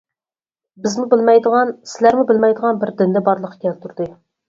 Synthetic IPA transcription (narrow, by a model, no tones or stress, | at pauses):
bɪzmubɪlmɛjd̪əʁɑnsɪlæɾmubɪlmɛjd̪əʁɑnbɪɾd̪ɪnd̪ɛbɑɾlˠəqʰːkʲɛlt̪ʰuɾd̪ɨ